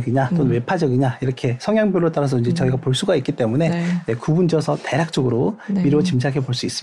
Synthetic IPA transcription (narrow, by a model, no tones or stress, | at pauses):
ɡiɲat͈onwe̞pʰad͡ʑʌɡiɲaiɾʌkʰe̞sʰʌŋjaŋbjoɾot͈aɾas̬ʰʌind͡ʑe̞t͡ɕʌiɡapoɭs͈uɡaik͈it͈e̞mune̞ekubund͡ʑiʌsʰʌte̞ɾjak̚t͡ɕ͈oɡɯɾomiɾot͡ɕimd͡ʑiaɡʰepoɭs͈uis͈ɯ